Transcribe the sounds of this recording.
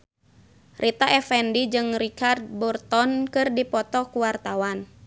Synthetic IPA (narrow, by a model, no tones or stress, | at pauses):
rʔit̪aʔɛfɛndid͡ʒɨŋrikard̪̚bɔrt̪ɔnkɨrdipɔt̪ɔkuwart̪awan